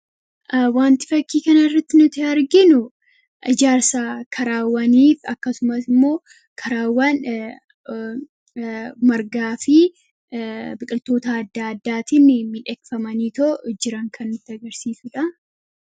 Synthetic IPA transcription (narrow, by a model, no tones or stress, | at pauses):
ʔwaːnt̪ɪ̥fɐkːiːkɐnɐɪrːɐt̪ːɪnʊt̪ɪɐɾɡɪnʊ | ʔɪd͡ʒaːɾsaːkʰɐɾaːwːɐniːfɐ̰kːɐsʊmɐsɪmːo̞ː | kʰɐɾaːwːan | mɐɾɡaːfɪ | bɪkʼɪlt̪o̞ːt̪ɐːd̪ːaɐd̪ːaːt̪ɪnːɪmɪᶑɛkfɐmɐniːt̪od͡ʒɪɾɐŋkʰɐnːʊt̪ːɪɐɡɐɾsiːsʊᶑɐ